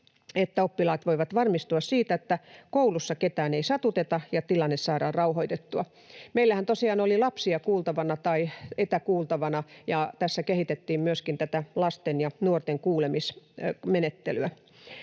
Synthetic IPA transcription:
et̪ːæopːilɑːt̪ʋoiʋɑt̪ʋɑrmist̪uɑssiːt̪æet̪ːækoulusːɑket̪æːneisɑt̪ut̪et̪ɑjɑt̪ilɑnːessɑːɾɑːrrɑuhoijt̪et̪ːuɑ | meilːæhænt̪osiɑːnolilɑpsiɑkuːlt̪ɑʋɑnɑt̪ɑiet̪ækuːlˠt̪ɑʋɑnɑjɑt̪æsːækehit̪et̪ːiːmmyøskint̪æt̪ælɑst̪enjɑnuort̪eŋkuːlemismenet̪ːḛlyæ

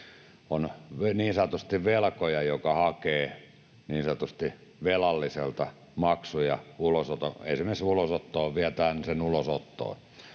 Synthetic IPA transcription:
onʋeniːnsɑt̪ust̪iʋʋelkojɑjokɑhɑkeː | niːnsɑt̪ust̪i | ʋelɑlːiselt̪ɑ | mɑksujɑ̰ulosot̪oḛisemensulosot̪ːoːʋiæt̪æːnsenulosot̪ːo̰ː

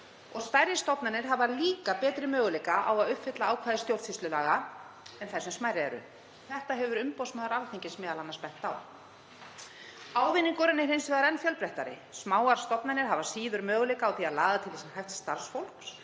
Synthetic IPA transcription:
ɔɣst̪ajɾjɪst̪ɔpnanɪɾ̥ɦavaliːkapɛːt̪ɾɪmœːɣʏlejkaʔawaðʏhpfɪt̪laaːwkʰvaːðɪst̪jowɾt̪sist̪lʏlaːɣa | ɛnθɛsʏmsmajɾɪɛɾʏ̰ | θɛht̪aɦɛvʏɾʏmpowsmaːðaɾawθeɲcɪsmɛːðalanːaɾspɛn̥t̪aw | aːwvɪniŋkʏɾɪnːɪɾejnsvɛðaɾɛnːfjœlpɾɛht̪aɾɪ̰smaːwaɾ̥st̪ɔpnanɪɾ̥ɦavasiːðʏɾmœːɣʏlejkaːwθiaðlaːɣðat̪ʰɪlishajft̪st̪aɾ̥sfowl̥ks

